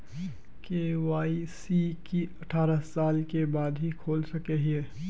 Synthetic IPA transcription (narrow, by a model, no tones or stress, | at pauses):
keːʋaːisikiɐʈʰaːɾəsaːlkebaːd̪ɦikʰoːlsɐkeɦieː